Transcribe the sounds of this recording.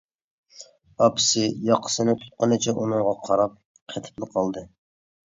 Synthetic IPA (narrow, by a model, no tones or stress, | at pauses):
ɑpʰɪ̥sɪjɑqʰə̥sɨnɨt̪ʰu̥t̪̚qənɨt͡ʃʰɛʔunɨŋʁɑqʰɑɾɑp̚ | qʰɛt̪ʰɪ̥plˠɨqʰɑlˠd̪ɨ